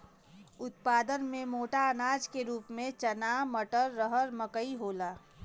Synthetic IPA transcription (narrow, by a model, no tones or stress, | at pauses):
ʊt̪̚paːd̪ənmẽmoːʈaənaːd͡ʒkeɾuːpmẽt͡ʃənaːməʈəɾːəɦəɾməkəiɦoːlaː